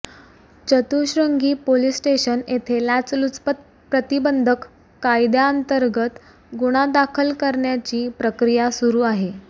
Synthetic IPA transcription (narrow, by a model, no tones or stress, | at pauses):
t͡ɕət̪uɕɾəŋɡiːpolisʈeɕənet̪ʰelat͡slut͡spət̪ | pɾət̪ibənd̪ʱəkː | ajd̪jaənt̪əɾɡət̪ | ɡuɽ̃ad̪akʰəlkəɾɳjat͡ɕiːpɾəkɾijasuɾuːaɦe